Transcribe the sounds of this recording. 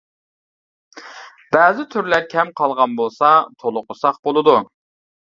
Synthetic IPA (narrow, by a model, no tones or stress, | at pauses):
b̥ɛːzɪt̪ʰyɾlæɾkʲʰɛmqʰɑlˠʁɑnbolˠsɑt̪ʰolˠʊqʊsɑχbolˠɨd̪u